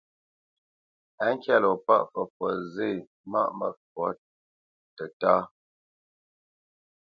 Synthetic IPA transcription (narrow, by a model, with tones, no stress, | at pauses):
a˦ŋ˦kja˦˨lɔ˨pa̰˦ʔfə˨fwɔ˨ze˦˨ | ma̰˦ʔmə˨fwɔ˨˦ | tə˨ta˦